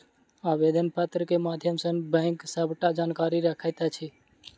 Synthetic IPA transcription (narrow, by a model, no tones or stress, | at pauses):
abed̪ʱənpat̪ɾəkemad̪ʱjəmsənbə̃ɪŋksəbʱʈad͡ʒankaɾiɾəkʰəjt̪at͡ʃʰi